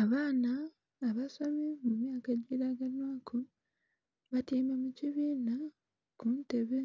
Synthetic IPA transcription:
aβaːnaː | βasamimumjaːkaɟiɾaɡanwaːkʰu | βatiːmamuciβiːna | kunteβe

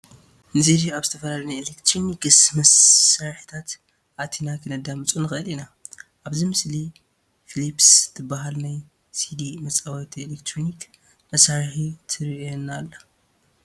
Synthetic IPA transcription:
nɨzid̪iaβzɨt̪ʰɐfɐlalɐnajelekt̪ɾonikɨsmɐsːaɾħi̥t̪ʰat̪ | ʔat̪ʰinakʰɨnɐd̪amɨt͡sʼunɨxɨʔɨlinaʔaβzimɨsli | filipst̪ʰɨbːaɦalnaj | sid̪imɐt͡sʼawɐt̪ʰielekt̪ɾonik | mɐsaɾħit̪ʰɨɾonalːɐ

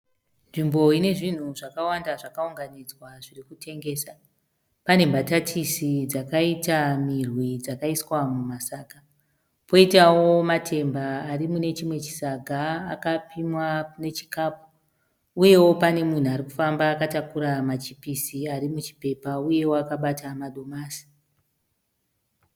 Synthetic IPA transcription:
nʐimbo̞ine̞ʐin̤uʐakawandaʐakauŋɡanid͡zwaʐirikutʰe̞ŋɡe̞ːsa | pane̞mbatatʰisid͡zakaitamirwid͡zakaiswamumasaːka | po̞itawo̞matʰe̞mbaːrimune̞t͡ʃimwe̞t͡ʃi̥saɡʱaːkapimwane̞t͡ʃi̥kaːpu | uje̞wo̞pane̞mun̤uaɾiku̥fambaːkatakuɾamat͡ʃipisiaɾimut͡ʃi̥pe̞pauje̞woakaɓatamaɗo̞maːsi̥

